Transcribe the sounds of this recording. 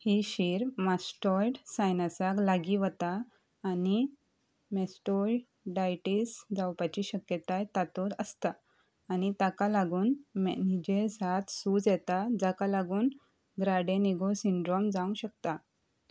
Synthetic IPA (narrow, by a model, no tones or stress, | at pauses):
hiɕiɾmasʈɔjɖsajnasaklaɡiʋət̪aː | ni | mɛsʈɔɖ | ɖajʈisd͡zawpat͡ɕiɕəkjət̪ajt̪at̪oɾəst̪aː | nit̪akalaɡuːnmɛnid͡ʑesat̪sud͡zjɛt̪ad͡zakalaɡuːn | ɡɾaɽẽniɡosiɳɖɾɔmd͡zaũɕək̚t̪a